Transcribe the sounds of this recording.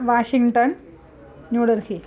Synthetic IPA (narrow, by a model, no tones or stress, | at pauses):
ʋaːʂiŋɡʈɐn | ɲuːɽɐɾhi